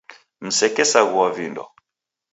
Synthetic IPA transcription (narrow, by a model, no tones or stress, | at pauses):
m̩sɛkɛsaɣuwavindɔ̰